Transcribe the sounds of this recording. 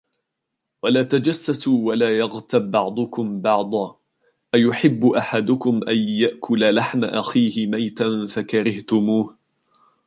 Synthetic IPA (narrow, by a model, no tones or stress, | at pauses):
walaːt̪ad͡ʒasːasuːwalaːjɑɣt̪abːɑʕd̪ˤʊkʊmbɑʕd̪ˤɑː | ʔajʊħɪbːʊʔaħad̪ʊkʊmʔanjaʔkʰʊlalaħmaʔaxiːhɪmajt̪anfakaɾɪht̪ʊmuːh